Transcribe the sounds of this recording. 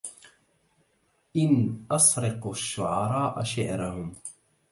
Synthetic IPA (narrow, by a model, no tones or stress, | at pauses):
ʔɪnʔɑsɾɪquʃːʊʕɑɾˤɑːʔa̰ʃɪʕɾahʊm